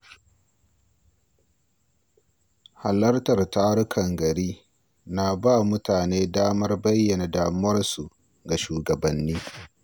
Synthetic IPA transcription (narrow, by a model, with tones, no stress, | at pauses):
ha˨lɐ˦rtɐ˨rtaː˦ɾʊ˦kʰɐ˨ŋɡɐ˨ɾiː˦ | na˨ba˦mʊ˦taː˨neː˦daː˦mɐ˦rbɐ˦jːɐ˨na˨daː˦mʊ˦wɐ˦rsu˨ | ɡa˨ʃuː˨ɡɐ˨bɐ˨nːiː˦